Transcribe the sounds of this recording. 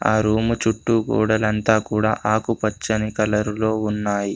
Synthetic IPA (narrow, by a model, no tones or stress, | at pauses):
aːɾuːmut͡ʃuʈːuɡṵːɽɐlɐnt̪aːkuːɽa̰ːʔaːkupɐt͡ʃːɐnikɐlɐɾulo̞ːunːaːji